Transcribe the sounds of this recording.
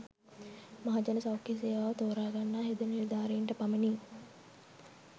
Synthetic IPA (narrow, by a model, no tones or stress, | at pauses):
maɦad͡ʒɐnəsawkeseːʋaːʋət̪oːɾaːɡanːaːɦed̪əniɾd̪aːɾeiɳʈəpaməniː